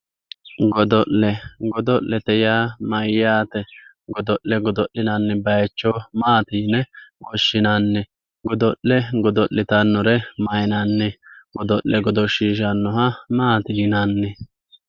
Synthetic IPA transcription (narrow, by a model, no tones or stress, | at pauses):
ɡɔd̪ɔʔlɛɡɔd̪ɔʔlːɛt̪ɛjaːmɐjːaːt̪ɛ | ɡɔd̪ɔʔːɛɡɔd̪ɔʔːɪnanːɛbɐjɛt͡ʃːɔmaːt̪iːnɛwɔʃːɪnanːɛ | ɡɔd̪ɔʔːɛɡɔd̪ɔʔːɪt̪ɐnːɔɾɛmɐjnanːɛɡɔd̪ɔʔːɛɡɔd̪ɔʃiːʃ̬anːɔɦɐmaːt̪iːnanːɛ